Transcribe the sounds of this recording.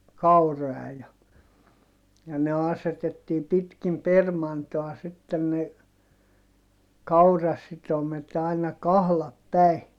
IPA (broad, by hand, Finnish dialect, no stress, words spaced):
kɑuroɑ jɑ jɑ ne ɑsetetːiː pitkim permɑntoɑ sitːen ne kɑurɑsitomet ɑinɑ kɑhlɑp pæi